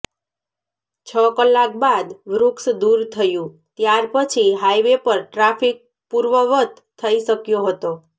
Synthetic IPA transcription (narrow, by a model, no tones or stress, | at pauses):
t͡ʃʰəkəlːak̚bad̪ʋɾuksd̪uɾt̪ʰəjũ | t̪jaɾpət͡ʃʰiɦajʋepəɾʈɾafik̚ | puɾʋəʋət̪ | t̪ʰːəiʃəkjoɦət̪o